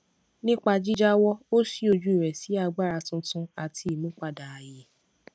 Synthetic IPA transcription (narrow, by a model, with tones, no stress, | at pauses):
nĩ˦k͡pa˧d͡ʒi˦d͡ʒa˦wɔ˦o˦si˦o˧d͡ʒu˦i˨ɾɛ˨si˨˦a˧ɡ͡ba˦˨ɾa˧tũ˧tũ˧a˨tʰi˧i˨mũ˨˦k͡pa˦˨da˨a˨je˧˦